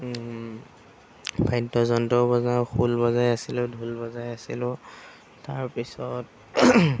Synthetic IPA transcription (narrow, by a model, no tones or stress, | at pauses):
bʱajtːɔzɔntɔbɔzaxʰulbɔzajasilʊ̃dʱulbɔzajasḭlʊ | taɹpisɔt̚